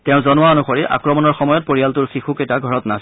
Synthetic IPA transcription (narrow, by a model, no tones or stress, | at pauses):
tɛʊ̃zɔnʊwaɔnuxɔɹiʔa̰kɹɔmɔnɔɹxɔmɔjɔt̚poɹijaltʊɹxixuketaɡʱɔɹɔtnas